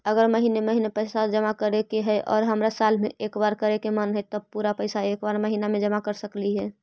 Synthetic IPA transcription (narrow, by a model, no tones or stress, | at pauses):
əɡəɾməɦineməɦinepəɪsad͡ʒəmakəɾekeɦɛʔɔ̰ːɾɦəmɾasalmẽʔeːkbaɾkəɾekemənɦɛt̪əb̚puɾapəɪsaeːkbaɾməɦinamẽd͡ʒəmakəɾsəkliɦɛː